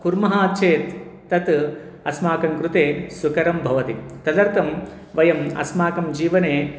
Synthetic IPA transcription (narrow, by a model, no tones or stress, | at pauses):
kuɾmɐɦaːt̪t͡ʃʰeːt̪ː | ɐt̪ | ɐsmaːkɐŋkɾut̪eːsukɐɾɐmbʱɐʋɐt̪it̪ɐd̪ɐɾt̪ɐm | ʋɐjɐmɐ̰smaːkɐmd͡ʒiːʋɐneː